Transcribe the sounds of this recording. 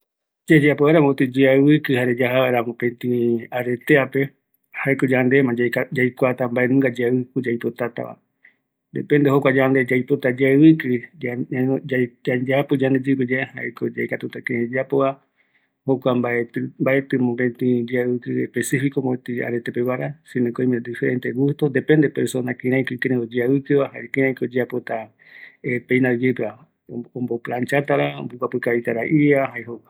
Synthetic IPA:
d͡ʒad͡ʒapoaɾamot̪ɨd͡ʒiaβɨkɨhaɾed͡ʒaɦaβaeɾamõpẽnt̪ĩaɾet̪eape̞ | haeko̞d͡ʒand̪e̞mãd͡ʒajkʷat̪ambaʔenũŋɡad͡ʒɨkɨd͡ʒajpo̞t̪at̪a̰βa̰ | nd̪ḛpẽnd̪eɦokʷad͡ʒand̪e̞d͡ʒajpo̞t̪ad͡ʒaβɨkɨ | ad͡ʒapod͡ʒand̪ed͡ʒɨped͡ʒaeha̰ʔekod͡ʒajkat̪ut̪akẽẽd͡ʒapoa | hokʷambaet̪mbaʔet̪ɨmõɡent̪ĩd͡ʒeβɨkɨehpesifikomoet̪ɨa̰ɾet̪epeβaɾasĩnẽkoĩmẽd̪ifeɾent̪eɡust̪od̪epe̞nd̪epeɾsonakĩɾ̃ãjkɨkeɾẽod͡ʒeaβɨkɨβahaekĩɾãj̃kood͡ʒeapot̪a | epejnad͡ʒɨpe | õmboplant͡ʃat̪aɾao̰mbokʷapɨkait̪aɾaʔiaɦaeɦokʷa

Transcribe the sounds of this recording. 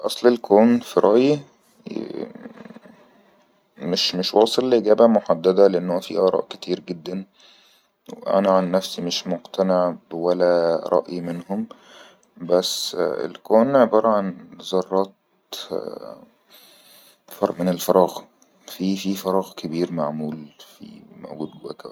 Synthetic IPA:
ʔɑsˤlelkʰoːnfiɾˤʔɑ̰ʔji | meʃmeʃwɑːsˤelːʔeɡæːbæmoħad̪ːæd̪æleʔenːhomːæfḭːʔɑɾˤɑ̰ːʔket̪ʰiːɾɡed̪ːæn | wḛʔæ̰næʕanːæfsimeʃmoqt̪ʰæneʕbwælæɾˤʔɑ̰ʔjimenhom | bæsːḛlkoːnʕebɑːɾˤɑʕanzˤɑrˤːɑːt̪̚ | fɑɾˤʔmenelfɑɾˤɑːɣ | fiːfiːfɑɾˤɑːɣkʰebiːɾmaʕmuːlfḭmo̰ɡuːd̪̚bwæ̰kæ̰

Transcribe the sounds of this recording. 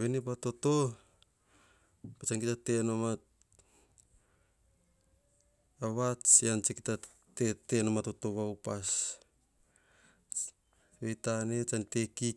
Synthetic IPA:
βenepato̞to̞ | pat͡ʃaŋkitate̞nomat | aβat͡ʃiant͡ʃikita | tete̞nomato̞to̞βawpas | βetanet͡ʃante̞ki

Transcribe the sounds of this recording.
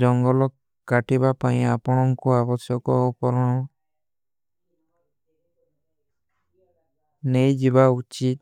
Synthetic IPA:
d͡ʒɔŋɡɔlɔk | kːaʈibapaj̃apɔɽ̃ɔŋkuabɔsjɔkɔupɔɾɔɽ̃ɔ̃ | nejd͡ʒibaut͡ʃit̪̚

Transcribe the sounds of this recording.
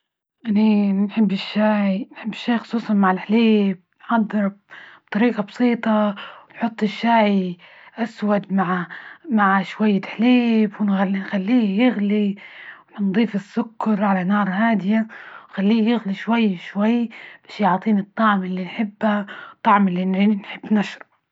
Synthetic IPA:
ʔaninħɪbːɪʃːaːʕinħɪbːɪʃːaːxʊ̥sˤuːsˤɑnmaʕɪlħleːb̚nħɑd̪ˤːɨɾb̥̚t̪ˤɑɾiːʔɑbsˤiːt̪ˤɑwnħʊt̪ˤːɪʃːaːʕi | ʔaswad̪maʕmaʕʃwajːɪħleːbwɪnnxalːiːjɪɣliwnd̪ˤiːfɪsːʊkːɑɾˤʕalanɑːɾˤhaːd̪ɪjawxalːiːjɪɣliʃwajːʃwajːb̥aːʃjʊʕt̪ˤiːnɨt̪ˤːɑʕmɪlːinħɪbːat̪ˤːɑʕmɪlːinnħɪbːnaʃɾˤɑ

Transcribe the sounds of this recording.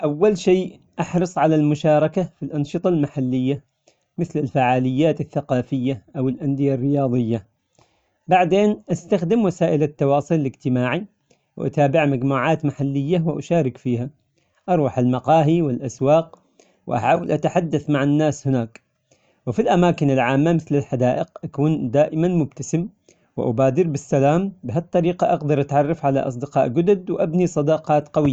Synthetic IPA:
ʔawːalʃeː | ʔɑħɾɨsˤʕalalmʊʃɑːɾˤɑkafilʔɑnʃɨt̪ˤɑlmaħalːɪjːa | mɪθlɪlfaʕaːlɪjːaːt̪ɪθːaqɑːfɪjːaʔawɪlʔand̪ɪjarːɪjɑːðˤɪjːa | baʕd̪eːnʔast̪axd̪ɪmwasaːʔɪlat̪ːɑwɑːsˤilɪlɪd͡ʒt̪ɪmaːʕi | wʔa̰t̪aːbɪʕmad͡ʒmuːʕaːt̪maħalːɪjːawɪʔa̰ʃaːɾɪkfiːha | ʔɑɾˤwɑħalmɑqɑːɦiwɪlʔaswɑːq̚ | wʔa̰ħaːwalʔat̪aħad̪ːaθmaʕanːaːshɪnaːk | wɪfilʔamaːkɪnɪlʕaːmːamɪθlɪlħad̪aːʔɪqʔakuːnd̪aːʔɪmanmʊb̚t̪asɪm | wɪ̰ʔa̰baːd̪ɪɾbɪsːalaːmbɪɦat̪ˤːɑɾiːqɑʔɑɡd̪ɑɾˤʔat̪ʕɑrˤːɑfʕala̰ʔɑ̰sˤd̪ɪqɑːʔɡʊd̪ʊd̪wʔabnisˤɑd̪ɑqɑːt̪qɑwɪjːa

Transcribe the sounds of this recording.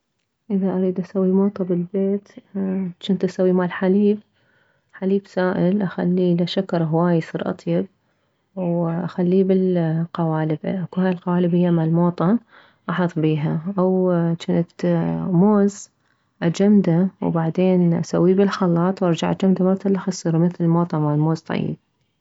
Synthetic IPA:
ʔɪðaʔaɾiːd̪ʔasawːimoːt̪ˤɑbɪlbeːt̪ | t͡ʃɪnt̪ʔasawːimalħaliːb̚ | ħaliːbsaːʔɪlʔaxa̰lːilaʃakɑɾˤɦwaːjsˤiːɾʔɑ̰t̪ˤjɪb̚ | wʔaxalːiːbɪlqɑwaːlɪbʔakuhaːjɪlqɑwaːlɪbhɪjːamalmoːt̪ˤɑn | ʔɑħɑðˤbiːɦaʔawt͡ʃɪnt̪moːz | ʔad͡ʒamd̪awbaʕd̪eːnʔa̰sa̰wːibɪlxɑlːɑːt̪ˤwʔɑɾˤd͡ʒaʕʔad͡ʒamd̪amat̪ɪlːaxasːɨɾˤmɪθlɪmoːt̪ˤɑmalmoːzt̪ˤɑ̰jːɪ̰b̚

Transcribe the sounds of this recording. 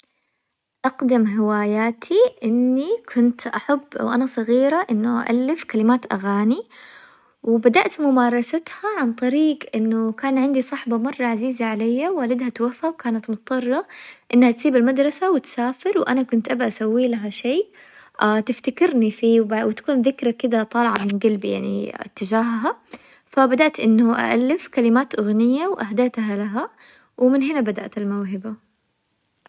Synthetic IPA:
ʔɑqd̪ɪmɦɪwaːjaːt̪ʰiʔɪnːikʰʊnt̪ʔaħab̰ːwʔanasˤɨɣiːɾaʔɪnːʊʔa̰ʔa̰lːɪfkalɪmaːt̪ʔa̰ɣaːni | wɪbad̪aʔt̪mʊmɑːɾˤɑsat̪haʕant̪ˤɑɾiːɡʔɪnːʊkaːnʕɪnd̪isˤɑħbamɑrˤːɑʕaziːzaʕalajːawaːlɪd̪hat̪wafawkaːnat̪mʊt̪ˤːɑrˤːɑʔɪnːhat̪siːbɪlmad̪ɾˤɑsawɪt̪saːfɪɾwʔanakʊnt̪ʔabaʔasawːiːlaɦaʃeː | ʔat̪ɪft̪akɪɾnifiːwbawɪt̪ḁkuːnðɪkɾakɪd̪at̪ˤɑːlʕamɪnɡalbja̰ʕnḭɪ̰t̪ːɪd͡ʒaːɦɦa | fabad̪aʔt̪ʔɪnːʊʔa̰ʔalːɪfkalɪmaːt̪ʔʊɣnɪjːawʔaɦd̪aːt̪ɦalaɦa | wmɪnɦɪnabad̪a̰ʔt̪ɪlmawɦɪba

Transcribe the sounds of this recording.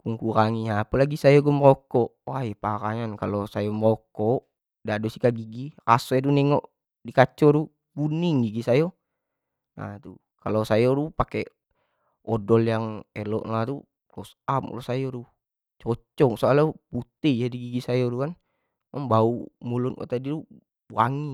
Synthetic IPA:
kuŋkuɾaŋiapɛlaɡisajoɡumɾɔkɔʔwaipaɾa̰ɲankalosajɔməɾɔkɔʔ | dadosikaɡiɡirasɔɛt̪unɛŋɔʔ | dikat͡ʃɔɾu | buniŋɡiɡisajɔ | na̰t̪u | kalosajɔɾupake | ɔdɔljaŋɛlɔ̰ʔŋat̪u | lɔsam̰lɔsajɔɾu | t͡ʃɔt͡ʃɔŋsoaloput̪ijadiɡiɡisajɔɾukan | maŋbaumulunkɔ̰t̪adiɾu | wa̰ŋi

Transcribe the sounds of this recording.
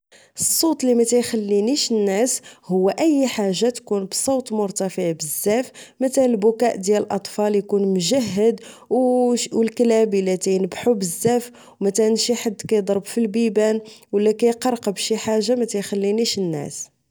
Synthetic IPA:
əsˤːot̪ˤlimæt̪æjxælːiniʃənːæshʊwːæʔəjːħaʒːat̪kunbsˤowt̪ˤmʊɾt̪æfəʕbəzːæfmæt̪æəlbʊkæʔd̪jæləlʔɑt̪ˤfɑljkunmʒæɦːəd̪ | wəlklæbilæt̪æjnəbħubəzːæf | wmæt̪ænʃiħad̪ːkæjd̪ˤɑɾˤbfilbibænwəlːækæjqɑɾˤqbʃiħaʒːamæt̪æjxælːiniʃənːæ̰s

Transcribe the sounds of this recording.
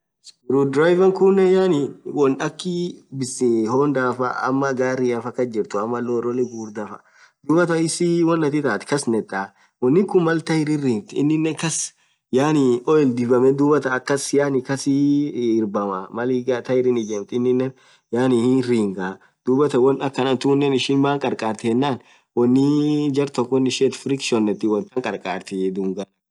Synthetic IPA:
sɾud̪ɾaːjvɐŋkʊnːɛjaːniwɔnᶑɐkːibɪsɪhoːnd̪aːfɐ̰ɐ̰mːɐɡaːɾiɐfɐkːɐd͡ʒɪɾt̪ʊɐmːɐloːɾɔlɛɡuːɾd̪ɐfɐ̰ | d̪uːbɐt̪ɐɪsiwɔnːɐt̪ɪt̪aːt̪kɐsnɛt̪ʼːa | wɔnːɪkʊmmːɐlt̪ɐhɪɾɪriːmt̪ɪ̰nːɪnːɛkɐs | jaːnɪɔɛld̪ɪbɐmɛd̪uːbɐt̪ɐːkːɐsjaːnɪkɐsɪɪɾbɐmɐmɐliɡat̪ɐɪɾɪnɪd͡ʒɛːmt̪ɪnːɪnːɛn | jaːnɪriːŋɡa | d̪̥uːbɐt̪ɐwɔnɐkːɐnɐnt̪unːɛnɪʃɪnbaːŋkʼɐɾkʼaːɾt̪ɪhɛnːaːn | wɔnːɪd͡ʒɐɾt̪ɔkːɔnːɪʃet̪fɪɾɪkʃɔnːɛt̪ːɪwɔnt̪ɐŋkʼɐɾkʼaːɾt̪ɛd̪uːŋɡɐ

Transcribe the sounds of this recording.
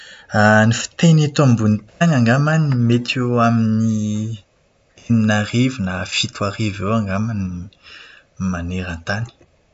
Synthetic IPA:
anifi̥t̪enet̪ambunit̪anaŋɡamanimet̪ʰeamini | eninarivinafit̪uaɾivewaŋɡamani | maneɾant̪ani̥

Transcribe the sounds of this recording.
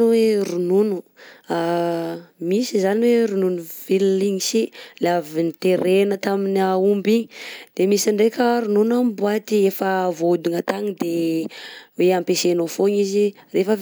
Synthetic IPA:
weɾununu̥a | misizaniweɾununuvilliŋisilavinit̪eɾenət̪aminaumbiɲid̪̥emisaɳɖ͡ʐekʲəɾununambuat̪iefəvod̪uŋat̪aŋid̪e | weampesenofoɲizirefə

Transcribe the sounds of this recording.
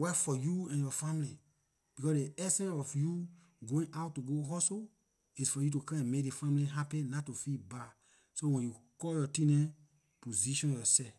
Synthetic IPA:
wɛfɔjuɛ̃njɔfãmli | b̥ikɔsdeɛsɛ̃nɔfju | ɡoĩŋʔawtːuɡoɦɔso | isfɔjutukãɛ̃mek̚defãmliɦapɛ̃natufiba | sowɛ̃njukɔljɔtĩnɛ̃ | poziʃɔ̃njɔsɛf

